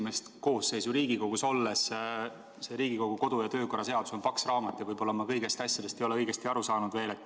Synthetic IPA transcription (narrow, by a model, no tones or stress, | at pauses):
me̞st̪ko̞ːsːe̞jsuɾiːɡiko̞ɡ̥uso̞lːe̞s | se̞ɾiːɡiko̞ɡ̥uko̞d̪̥ujɑt̪ø̞ːko̞rːɑse̞ɑd̪̥uso̞npɑksrɑːmɑt̪ːˑjɑvɤjb̥o̞lːɑmɑkɤjɡe̞st̪ɑsʲjɑd̪̥e̞st̪ejo̞leɤjɡ̥e̞st̪iɑɾusɑːnud̪̥ve̞ːlet̪ːˑ